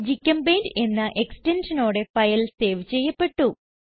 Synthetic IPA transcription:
d͡ʑikʲːɐmbeːnde̞nːɨʔekstenʂɐno̞ːɽe̞fɐjɐlse̞ːʋt͡ɕe̞jːɐpːe̞ʈːu

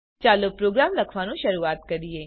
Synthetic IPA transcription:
t͡ʃaːlopɾoːɡɾaːmlɐkʰʋanũʃɐɾuaːt̪̚kɐɾieː

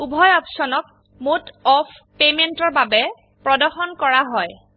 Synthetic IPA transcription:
ubʱɔjɔpsɔnɔk | motɔpʰ | pementɔɹbabɛ | pɹɔdɔɹxɔnkɔɹaɦɔj

